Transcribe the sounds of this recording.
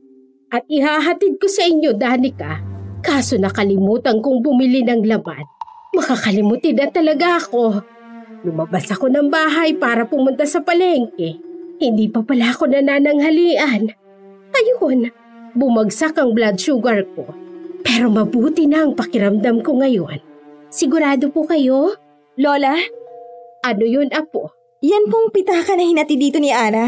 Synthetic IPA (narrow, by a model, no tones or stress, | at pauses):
ʔɐt̪̚ʔɪhaːɦɐt̪ɪd̪̚ko̞sɐʔɪɲːo̞d̪aːnɪkakaːso̞nɐkɐlɪmuːt̪ɐnkoŋbʊmɪlɪnɐŋlɐma̰n | mɐkakɐlɪmʊt̪ɪd̪ɐnt̪ɐlɐɡaʔɐko̞ | lʊmɐbasɐko̞nɐŋbaːɦɐjpaːɾɐpʊmʊnt̪asɐpɐlɛŋkɛhɪnd̪iːpɐpɐlaʔɐko̞nɐnanɐŋhɐliːʔɐn | kɐjon | bʊmɐɡsakɐŋblad̪ʃuɡɐɹk̚o̞pɛːɾo̞mɐbuːt̪ɪnɐʔɐŋpɐkɪɾɐmd̪amko̞ŋɐjo̞nsɪɡʊɾaːd̪o̞pʊkɐjo̞ | loːlɐ | ʔɐnojonɐpo | jɐnpoŋpɪt̪aːkɐnɐhɪnɐt̪ɪd̪iːt̪o̞nɪʔaːnɐ